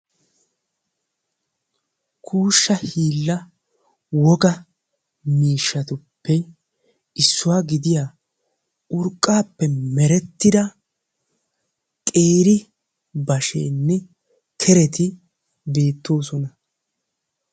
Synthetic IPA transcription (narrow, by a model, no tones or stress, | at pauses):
kʰuːʃːɐhiːlːɐ | wɔɡɐ | miːʃːɐt̪ʊpːɛ | ɪsːʊwaːɡɪd̪ɪjaː | ʊɾkʼːaːpːɛmɛɾɛt̪ːɪd̪ɐ | kʼe̞ːɾɪ | bɐʃḛːnːɛ | kʰɛɾɛt̪ɪ | be̞ːt̪ːo̞ːs̬ɔnɐ